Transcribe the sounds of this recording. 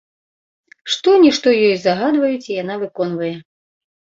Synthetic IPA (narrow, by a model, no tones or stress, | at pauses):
ʂt̪ɔnʲiʂt̪ɔjɔjzaɣad̪vɐjut͡sʲijan̪avɨkɔnvɐjɛ